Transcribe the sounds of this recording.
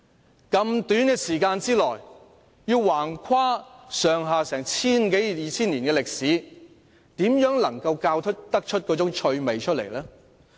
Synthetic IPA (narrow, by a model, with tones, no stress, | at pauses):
kɐ˧mt̪yː˨˥nkɛː˧siː˨˩kaː˧nt͡siː˥lɔː˨˩j | jiː˧wwaː˨˩nkʰaː˥sœː˨˩ŋɦaː˨sɛː˨˩ŋt͡sʰiː˥nke˨˥jjiː˨t͡sʰiː˥nliː˨˩nkɛː˧lɪ˨k̚siː˨˥ | t̪iː˨˥mjœː˨˥ŋlɐ˨˩ŋkɐ˧wkaː˧wt̪ʰɵ˥k̚t̪ɐ˥k̚t͡ʃʰɵ˥t̚kɔː˨˥t͡sʊ˨˥ŋt͡ʃʰɵ˧ɥme˨jt͡ʃʰɵ˥t̚lḛ˨˩jlɛː˥